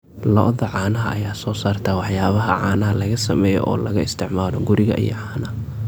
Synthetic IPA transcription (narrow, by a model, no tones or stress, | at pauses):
lɔʔðɐʕɑːnɐɦɐːjaːsɔːsaːrt̪ʰɐwɑħjaːβɐɦɐʕɑːnɐɦɐlɐɣɐsɐmɛːjɔ̰ʔɔːlɐɣɐɪst̪ʰɪʕmaːlɔɡʊɾɪɣɐ̰ʔḭjɔ̰ʕɑːnɐ